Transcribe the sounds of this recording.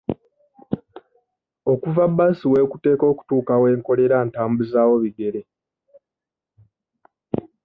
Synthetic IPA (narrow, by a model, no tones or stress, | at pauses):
o̞kuvabːasiwe̞ːkute̞ːko̞ːku̥tuːkawe̞ːŋko̞le̞ɾaːntaːmbuzaːwo̞βiɡe̞ɾe̞